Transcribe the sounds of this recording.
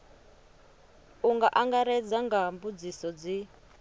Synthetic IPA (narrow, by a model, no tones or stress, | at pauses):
uŋɡaʔaŋɡaɾɛd͡zaŋɡambud͡zisɔd͡zi